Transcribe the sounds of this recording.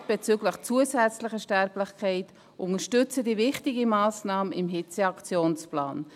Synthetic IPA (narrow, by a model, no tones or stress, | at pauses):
b̥et͡syɡləχt͡suəsɛt͡slɪχəʃtɛɾplɪχkʰɛɪt | ʔʊŋəʃtʏt͡sədivɪχtɪɡəmaːsnɑːmənɪmɦɪt͡seɑkt͡sjoːnspla̰ːn